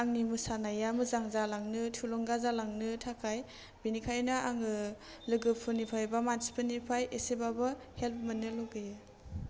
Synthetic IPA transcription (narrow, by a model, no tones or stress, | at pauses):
aŋnimɯsanajamɯzaŋzalaŋnɯtʰulɔŋɡazalaŋnɯtʰakʰaj | binikʰajnaaŋɯ | lɯɡɯpʰɯnipʰajbamansi̥pʰɯnipʰajesebabɯhelp̚ʰmɯnɯloɡɯjɯ